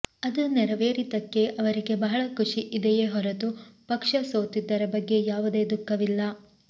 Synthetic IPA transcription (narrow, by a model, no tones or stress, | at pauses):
ɐd̪unɛɾɐʋe̞ːɾit̪ɐkːe̞ʔɐʋɐɾiɡe̞bɐɦɐɭɐkʰuʂiʔid̪ejeːɦɔɾɐt̪upɐkʂɐsoːt̪id̪ːɐɾɐbɐɡːe̞jaːʋud̪e̞ːd̪ukːɐʋilːɐ